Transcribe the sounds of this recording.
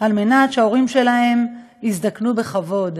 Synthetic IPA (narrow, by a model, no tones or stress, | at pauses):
alme̞natʃeao̞ʁimʃe̞lahe̞m | izd̪aknube̞χavo̞d